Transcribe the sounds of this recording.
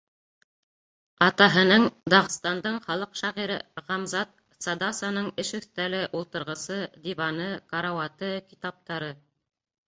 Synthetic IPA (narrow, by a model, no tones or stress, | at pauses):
ɑt̪ɑɦɤ̆nɤɴd̪ɑʁɤ̆st̪ɑnd̪ɤɴχɑlˠɤqʃɑʁiɾɘ̰ʁɑmzɑt̪̚ | sɑd̪ɑsɑnɤɴɘʃɵ̆θt̪ælɘʔulˠt̪ɤ̆ɾʁɤ̆sɤd̪ivɑnɤkɑɾawɑt̪ɤkit̪ɑp̚t̪ɑɾɤ